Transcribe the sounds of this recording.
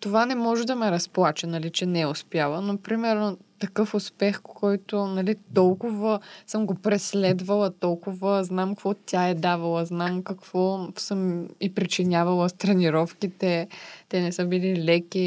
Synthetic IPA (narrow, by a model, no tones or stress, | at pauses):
t̪ovanɛmɔʒɛd̪ɐmɛɾɐsplˠat͡ʃɐnɐlit͡ʃɛnɛʊspjalˠənopɾimɛɾnot̪ɐkɤfʊspɛxkɔjt̪ʊnɐlit̪ɔlˠkʊvəsɤmɡopɾɛslɛd̪vɐlˠɐt̪ɔlˠkʊvəznamkkvɔt̪ʲaɛd̪avɐlˠəznamkɐkv̥ɔsɤmipɾit͡ʃinʲavɐlˠəst̪ɾɛniɾɔfkit̪ɛt̪ɛnɛsɤbililɛkʲi